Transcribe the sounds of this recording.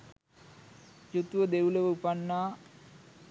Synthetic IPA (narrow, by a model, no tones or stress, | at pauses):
jut̪uʋəd̪euləʋəupanːaː